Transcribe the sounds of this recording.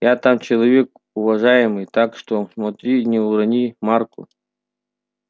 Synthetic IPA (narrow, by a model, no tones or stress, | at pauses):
jat̪amt͡ɕɪlˠɐvʲek̚ | ʊvɐʐajɪmɨjt̪akʂt̪osmɐt̪ɾʲinʲɪʊɾɐnʲimarkʊ̰